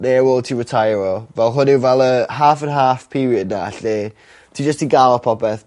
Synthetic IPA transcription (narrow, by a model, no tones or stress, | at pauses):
newol̚ˠtʰiːɹɪtʰajɾɔvɛlˠɦʊnɪwvɛlˠəɦaːfənɦaːfpʰiɾiədnaa̰ɬɛ | tʰiːd͡ʒəstiɡalˠɔpʰɔpɛθ